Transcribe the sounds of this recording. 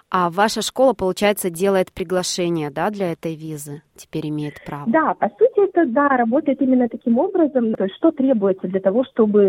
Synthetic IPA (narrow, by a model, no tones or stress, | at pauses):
avaʂəʂko̞lˠəpəlˠʊt͡ɕæjɪt̪sədʲe̞lˠəjɪt̪pɾʲɪɡlˠɐʂɛnʲɪjəd̪ad̪lʲɐɛt̪əjvʲizɨtʲɪ̥pʲeɾʲɪmʲejɪt̪pɾavd̪apɐsutʲɪɛt̪əd̪aɾɐbo̞t̪əjɪt̪imʲɪnːət̪ɐkʲimo̞bɾəzəmt̪oɪsʲt̪ʲʂt̪o̞t̪ɾʲe̞bʊjɪt̪səd̪lʲɐt̪ɐvo̞ʂt̪o̞bɨ